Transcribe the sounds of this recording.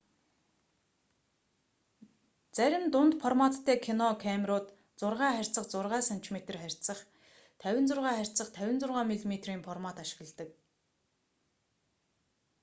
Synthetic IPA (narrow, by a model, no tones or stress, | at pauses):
t͡sæɾʲɪ̆mt̪ʊnt̪fʰɔrmat̪ʰːæːkʰinɔkʰæmrʊːt̪ | t͡sʊrʁæːχærʲt͡sə̆χt͡sʊrʁæːsan̥t͡ɕmet̪ə̆rχærʲt͡sə̆χ | t̪ʰæwʲɪ̆nt͡sʊrʁæːχær̥ʲt͡sə̆χt̪ʰæwʲɪ̆nt͡sʊrʁaːmiɮmet̪riːmfɔrmat̪aʃɪ̆ɣə̆ɮt̪ə̆k̚